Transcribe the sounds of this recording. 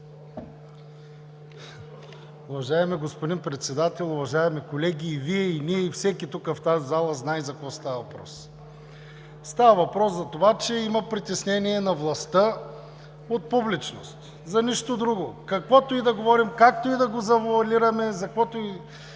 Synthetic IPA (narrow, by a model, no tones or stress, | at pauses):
ʊvɐʒaɛmiɡospod̪inpɾɛt̪sɛd̪at̪ɛlˠʊvɐʒaɛmikolɛɡʲiːviɛiniɛifsɛkʲit̪ukəft̪azzalˠəznajzɐkovɔst̪avəvɐpɾɔ̰s | st̪avəvɐpɾɔszɐt̪ovat͡ʃɛimɐpɾit̪ɛsnɛniɛnɐvlˠɐst̪ə | ot̪̚publit͡ʃnost̪ | zɐniʃt̪od̪ɾuɡokɐkvɔt̪oid̪ɐɡovɔɾimkak̚t̪oid̪ɐɡozɐvʊɐliɾɐmɛzɐkvɔt̪oi